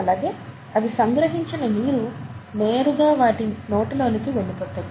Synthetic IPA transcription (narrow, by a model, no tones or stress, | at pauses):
ɐlaːɡe̞ː | ɐd̪isɐŋɡɾɐɦiɲt͡ʃinɐmiːɾune̞ːɾuɡ̪aːʋaːʈino̞ːʈilo̞ːnikiʋe̞ɭːipɔːt̪ːɐːi